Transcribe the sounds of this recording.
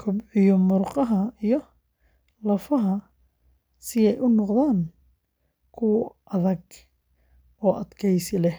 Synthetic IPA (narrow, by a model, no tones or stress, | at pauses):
kʰʊbʕijɔmʊrqɑɦɐijɔ | lɐfɐɦɐ | sɪɛjʔʊnɔqðaːn | kʰʊwʔɐðɐɡ | ɔːʔɐd̪kʰɛjsɪlɛh